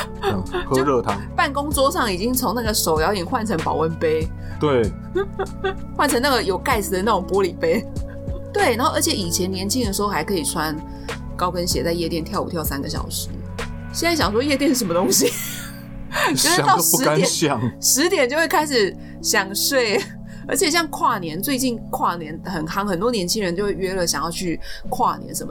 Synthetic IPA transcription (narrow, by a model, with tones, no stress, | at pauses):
kʰɤ˥˧ɻɤ˥˨˧t̪ʰɑ˥ŋpa˥˩nkʊ˥ŋt͡swɔ˥ʂɑ˥˩ŋi˨˩t͡ɕi˦ŋt͡sʰo˧˥ŋna˥˩ɡə˩ʂo˨˩ʊjɑ˧˥ʊi˨˩ŋxwa˥˩nt͡sʰə˧˥ŋpɑ˨ʊwə˥npe˥ɪ | t̪we˥˩ɪ | xwa˥˩nʰə˧˥ŋna˥˩ɡə˩jo˨˩ʊka˥˩ɪs̩ʰ˨˩d̪ə˩˦na˥˩ʊ˨˩ŋpwɔ˥li˨˩pe˥ɪ | t̪we˥˩ɪna˧˥nxo˥˩ə˞˧˥t͡ɕʰjɛ˨˩˦i˨˩t͡ɕʰjɛ˧˥njɛ˧˥nt͡ɕi˥˩ŋd̪ə˩ʂ̩˧˥xo˥˧ʊxa˧˥ɪkʰɤ˧˥i˨˩t͡sʰwa˦n | kɑ˥ʊpə˦nɕjɛ˨˩t͡sa˥˧ɪjɛ˥˧t̪jɛ˥˧nt̪ʰjɑ˥˩ʊṵ˨˩t̪jʊsa˦nɡə˨ɕ̬jɑ̰˨˩ʊʂɻ̩˧˦ | ɕjɛ˥˧na˥˩ɕjɑ˨˩ŋʂwɔ˥jɛ˥˧t̪jɛ˥˧nʂ̩˥˩ʂə˧˥mə˧t̪oʊ˥ŋɕi˧ | o˥˧ʂ̩˥˨t̪ɑ˥˩ʂu˧ɻ̩˥a˥˦njɛ˨˩ɕjɑ˥˨˩ŋʂɻ̩˧˥t̪jɛ˨˩nt͡ɕo˥˧ʊxwe˥˧ɪkʰa˥ɪʂɻ̩˨˩ | ɕjɑ˨˩ŋʂwe˥˩ɪ | ə̰˧˥t͡ɕʰjɛ˨˩ɕ̬jɑ˥˧ŋkʰwa˥˩njɛ˧˥nt͡swe˥˧ɪt͡ɕi˥˧nkʰwa˥˩njɛ˧˦˥nxə˨˩nxɑ˥ŋxə˨˩nt̪wɔ˥njɛ˧˥nt͡ɕʰi˥ŋɻə˧˥nt͡ɕjo˥˧ʊwe˥˩ɥɛ˥lə˨˩ɕjɑ˨˩ŋjɑ˥˧ʊt͡ɕʰy˥˩kʰwa̰˥˩njɛ̰˧˥nʂə˧˥mə˧